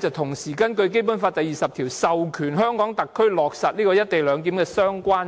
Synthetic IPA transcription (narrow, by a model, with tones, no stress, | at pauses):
t͡sɐ˨t̪ʰʊ˨˩ŋsiː˨˩kɐ˥nkɵ˧ɥk̬e˥jp̬ʊ˨˥nfaː˧t̚t̪ɐ˨jːiː˨˩sɐ˨p̚t̪ʰiː˨˩wsɐ˨wkʰyː˨˩nɦœː˥ŋkɔː˨˥ŋt̪ɐ˨kʰːɵ˥ɥlɔː˨˩k̚sɐ˨˩t̚liː˥kɔː˧jɐ˥tt̪e˨jlœː˨˧ŋt̪iː˨˥mkɛː˧sœː˥ŋkʷaː˥n